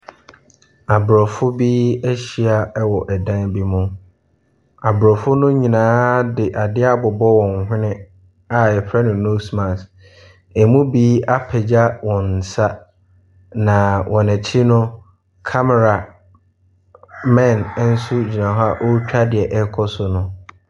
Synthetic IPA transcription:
a˨bɾɔ˨fʊ˦biː˦æ˦ɕi˦a˦wɔ˨ʔɛ˨dã˦nbi˦mʊ̃˦ | a˨bɾɔ˨fʊ˦nʊ̃˦ɲĩ˨nãː˨˦dɪ˨ʔa˨dɪ˦a˦bʊ˨bɔ˦wɔ̃˨ŋ˨ɦɪ̃˦nɪ̃˦ | a˨ɛ˨pʰɾɛ˦nʊ̃˨no˦smã˨s | ɛ˨mũ˦biː˦a˦pʰɛ˨d͡ʑa˦wɔ̃˨n̩˨sa˦ | nã˨wʔɔ̃˨næ˨t͡ɕʰi˦nʊ̃˦ | kʰa˦mɛ˨ɾa˨ | mɛ̃˦˨n˦n̩˦sʊ˦d͡ʑi˨nã˨ɦa˦ʔo˦t͡ɕᶣa˦dɪ˨ɛ˨ʔɛ˦kʰɔ˦sʊ˨nʊ̃˦

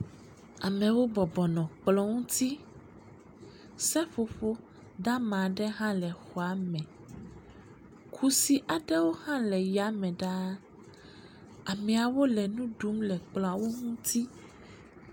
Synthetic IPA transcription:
a˨mɛ̃˨wo˦bɔ˨bɔ˨nɔ̃˨k͡plɔ˦ŋũ˦t̪i˦ | sɛ˦fo˨ɸo˦ | d̪a˦mã˨ɖɛ˦ɦã˦lɛ˨xɔ˨a˦mɛ̃˨ | kʰu˦si˨ʔa˨ɖɛ˦wo˦hã˦lɛ˨ja˨˦mɛ̃˨ɖa˦ | a˨mɛ̃˨a˨wo˦lɛ˨nũ˦ɖu˨˦mlɛ˨k͡plɔ̃˨a˨wo˦ŋũ˦t̪i˦

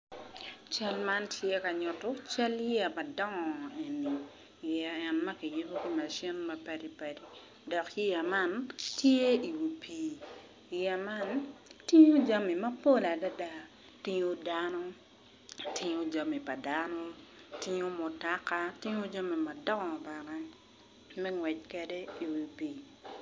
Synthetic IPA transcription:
t͡ʃa˦lma˦ntʰje˦ka˨ɲɔ˨to˦t͡ʃa˦ljɛ˨ma˨dɔ˦ŋɔ˨e˨ni˨ | jɛ˦ɛ˨nmɐ˦ki˨ju˦to˦ki˦ma˨ʃɪ˦nmɐ˨pa˦di˨pa˨di˨ | dɔ˨ki˦ja˨ma˦ntje˦i˨wu˨pʰi˨ | jɛ˨ma˦nti˦ɲo˦d͡ʒa˦mi˨ma˦po˦˨la˨da˦da˦ | tɪ˦ɲo˦da˦nɔ˦ | tɪ˦ɲo˦d͡ʒa˨mi˨pa˨da˦no˦tɪ˦ɲo˦mo˨ta˦ka˦tɪ˦ɲo˦d͡ʒa˦mi˨ma˨dɔ˦ŋɔ˨ba˨nɛ˦ | mɛ˦ŋwɛ˨c̚kɛ˨de˦i˨wi˨pi˨

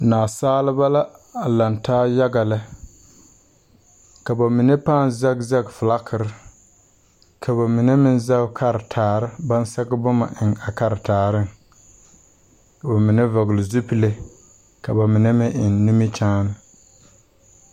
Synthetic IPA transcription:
naː˨saː˦lɪ˦ba˦la˦a˨la˨ntaː˦ja˦ɡa˨la˦ | ka˨ba˨mɪ˨ne˦paː˦˨n˨za˦ɡza˦ɡfʊ˨la˦kʰɪ˨ɾɪ˦ | kʰa˨ba˨mɪ˨ne˦mɪ˦nza˦bkʰa˦ɾɪ˨tʰaː˨ɾɪ˦ba˦n˦sa˦ɡbʊ˦ma̰˨ʔɪ˨ŋa˨ka˦ɾɪ˨taː˨ɾɪ˦ŋ˨ | ba˨mɪ˨ne˦va˨ɣlɪ˨zu˦pi˦le˦ | ka˨ba˨mɪ˨ne˦mɪ˦ʔɪ˨nːi˦mi˦t͡ʃaː˦nɪ˨

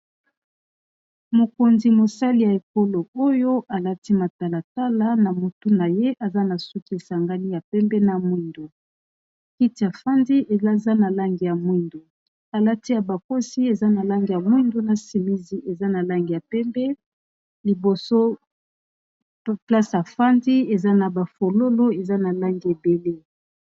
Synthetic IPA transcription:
mo˨ko˨nzi˨mo˨sa˦li˨ja˨e˨ko˦lo˨o˦jo˦ʔa˨la˦ti˦ma˨ta˨la˨ta˦la˦na˨mo˨tu˦na˨je˦ʔa˨za˦na˨su˦ke˨sa˨ŋɡa˦li˦ja˨pɛ˦mbɛ˦na˨mwi˦ndo˨ | ki˦ti˨a˨fa˦ndi˦e˨a˦za˦na˨la˦ŋɡi˨ja˨mwi˦ndo˨ | a˨la˦ti˦ja˨ba˨ko˦si˦e˨za˦na˨la˦ŋɡi˨ja˨mwi˦ndo˦na˨si˨mi˦zi˨ʔe˨za˦na˨la˦ŋɡi˨ja˨pɛ˦mbɛ˦ | li˨bo˨so˦ | pla˦sa˨fa˦ndi˦e˨za˦na˨ba˨fo˨lo˦lo˦e˨za˦na˨la˦ŋɡi˨e˨be˨le˦

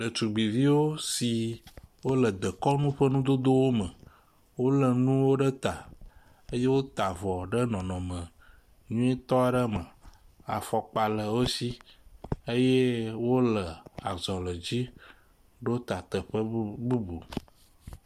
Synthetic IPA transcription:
ɖə˨t͡ʃu˨ɡ͡bi˨vi˦wo˦si˨wo˦lə˨d̪ə˨kɔ˦nũ˦ɸə˦nũ˦d̪o˦d̪o˦wo˦mə̃˨ | wo˦lə˨nũ˦wo˦ɖə˦t̪a˨ | ə˦je˦wo˦t̪a˨vɔ˨ɖə˦nɔ̃˨nɔ̃˨mə̃˨ | ɲũ˦e˦t̪ɔ˦a˨ɖə˦mə̃˨ | a̰˨fɔ˨k͡pa˨lə˨wo˦si˦ | ə˦je˦wo˦lə˨a˨zɔ˨lə˨d͡ʑi˦ | ɖo˦t̪a˨t̪ə˨ɸə˦bu˦bṵ˨

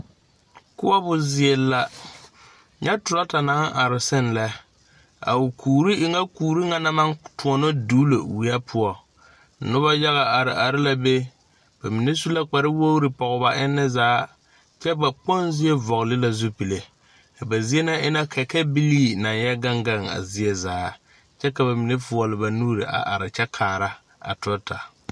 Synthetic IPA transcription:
kʊ˦a˦bʊ˨zɪ˨ɛ˨lːa˨ | ɲɛ˦tʊ˨ɾa˦ta˨na˨˦ŋ˦ʔa˨ɾɪ˨sɪ˦nlɛ˦ | a̰˨wʊ˨kʰuː˨ɾi˦ʔɪ˨ŋa˦kuː˨ɾi˦ŋa˦na˦ma˦ntu˨ɔ˨no˦duː˦lo̰˨wi˨˦a˦pʰʊ˦ɔ˨ | nʊ˦ba˦ja˦ɣa˨a˨ɾɪ˨ʔa˨ɾɪ˦la˨be˦ | b̥a˨mi˨ne˦su˦la˦k͡pa˨ɾɪ˦wo˦wɾɪ˨pɔ˨ɣʊ˦ba˦ʔɪ˦nːɛ˦zaː˦ | t͡ʃɛ˦ba˨k͡pɔ˦nzi˦ɛ˦vɔ˨ɣlɪ˦la˨zu˦pi˨le˨ | ka˨ba˨zi˦ɛ˦na˦ɪ˦na˦kʰɛ˨kɛ˦bi˦liː˦na˨n˦jɛ˦ɡa˦ŋɡa˦˨ŋa̰˨zɪ˦ɛ˦zaː˨˦ | t͡ʃɛ˦ka˨ba˨mi˨ne˦fʊ˨ɔ˨lɪ˨ba˨nuː˦ɾḭ˨ʔa̰˨ʔa̰˨ɾɪ˨t͡ʃɛ˦kʰaː˨ɾa˦ | a̰˨tʊ˦ɔ˦ta˨

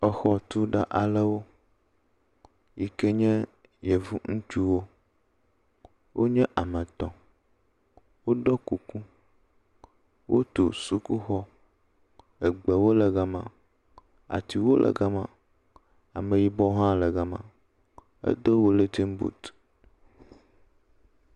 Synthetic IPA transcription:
ɔ˨xɔ˦t̪u˦ɖa˨ʔa˨lɛ˦wo˦ | ji˨ke˦ɲɛ̃˦ | jɛ˨vu˦ŋũ˦t͡ʃu˦wo˦ | wʔo˦ɲɛ̃˦ʔa˨mɛ̃˨t̪ɔ̃˨ | wo˦ɖɔ˦ku˨kũ˦ | wʔo˦t̪o̰˨su˦ku˦xɔ˦ | e˨ɡ͡bɛ˨wo˦lɛ˨ɡa˦mã̰˨ | a̰˨t̪i˨wo˦lʔɛ̰˨ɡa˦mã̰˨ | a̰˨mẽ˨ji˨bɔ˦ɦã˦lɛ˨ɡa˨mã̰˨ | ḛ˦d̪o˦wo˦le˦t̪i˦ŋ̩˦bṵ˨t̪

